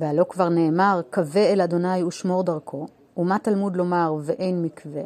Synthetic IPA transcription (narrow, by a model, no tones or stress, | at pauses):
vealo̞kvaʁne̞ːmaʁkave̞elad̪o̞najuʃmo̞ʁdaʁkʰo̞ | umat̪almud̪lo̞maʁveʔe̞jnmikve̞